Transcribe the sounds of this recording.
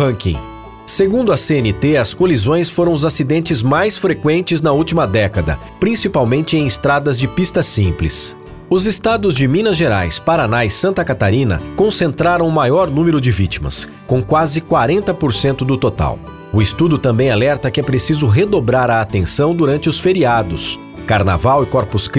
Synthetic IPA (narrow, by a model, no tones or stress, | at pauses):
hɐ̃kḭ̃ | seɡũnd̪ʊɐseenɪt̪eɐskolizõj̃sfoɾɐ̃w̃ʊzasid̪ẽnt͡ʃɪzmajsfɾekwẽnt͡ʃɪznɐut͡ʃimɐd̪ɛkɐd̪ɐ̰ | pɾĩsipawmẽnt͡ʃɪẽj̃ɪst̪ɾad̪ɐzd͡ʒɪpist̪ɐsĩplɪ̰s | ʊzɪst̪ad̪ʊzd͡ʒɪmĩnɐʒeɾa̰jspaɾanaisɐ̃nt̪ɐkat̪aɾĩnɐ̰kõsẽnt̪ɾaɾɐ̃w̃ʊmajɔɾnũmeɾʊd͡ʒɪvit͡ʃimɐ̰s | kõw̃kwazɪkwaɾẽnt̪ɐpoɾsẽnt̪ʊd̪ʊt̪ot̪a̰w | ʊɪst̪ud̪ʊt̪ɐ̃bẽj̃alɛɾt̪ɐkɪɛpɾesizʊɦed̪obɾaɾɐːt̪ẽsɐ̃w̃d̪uɾɐ̃nt͡ʃɪʊsfeɾiad̪ʊs | kaɾna̰vawɪkɔɾpʊsk